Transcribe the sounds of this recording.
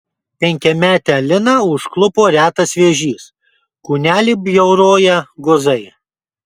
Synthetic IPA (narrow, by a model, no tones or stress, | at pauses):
pʲɛŋʲkʲɛmʲæːt̪ʲælʲɪnɑːʊʃklˠʊpoːɾʲæːt̪ɐsʋʲeːʒʲiːs | kuːnʲæːlʲiːbʲjɛʊɾoːjɛɡʊzɐɪ